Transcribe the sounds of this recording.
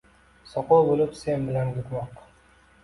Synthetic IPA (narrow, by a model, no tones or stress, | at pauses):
sɒqolˠbolɪpsenbɪlanɡʊt̪mɑq